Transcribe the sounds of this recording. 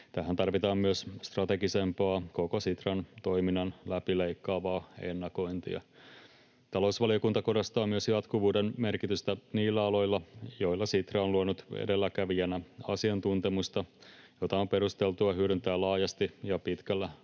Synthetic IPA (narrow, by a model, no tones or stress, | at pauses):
t̪æɦænt̪ɑrʋit̪ɑːmmyøsst̪rɑt̪eɡise̞mpɑːko̞kosit̪rɑnt̪o̞iminːɑnlæpileikːɑːʋɑːenːɑko̞int̪ḭɑ̰ | t̪ɑlo̞usʋɑlijokunt̪ɑkodɑst̪ɑːmmyøsjɑt̪kuʋuːdenmerkit̪yst̪æniːlːæɑlo̞ilːɑjoilːɑsit̪ræonluonut̪ḛdelːækæʋiænæɑsiɑnt̪unt̪emust̪ɑjo̞t̪ɑompeɾust̪elt̪uɑhyødynt̪æːlɑːjɑst̪ijɑpit̪kælːæ